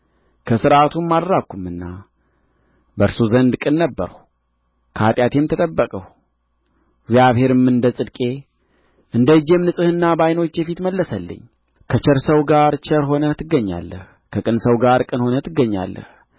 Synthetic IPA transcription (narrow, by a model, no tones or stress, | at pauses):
kʰəsɨɾʔat̪ʰunmalɾakːumɨnːa | bəɾsuzənd̪kʼɨnːəbːəɾəw | kʰat̪ʼjat̪ʰe̞mt̪ʰət̪ʼəbːəkʼəh | ɡzjaβhe̞ɾɨmɨnd̪əsʼɨd̪kʼe̞ | ʔɨnd̪əɨd͡ʒemnɨsʼɨhɨnːabajno̞t͡ʃːjɛfit̪məlːəsəlːə̰ɲː | kʰət͡ʃəɾsəwɡaɾt͡ʃɛɾɦo̞nət̪ʰɨɡːəɲːa̰lːə̰h | kʰəkʼɨnsəwɡaɾkʼɨnho̞nət̪ʰɨɡːəɲːa̰lːə̰h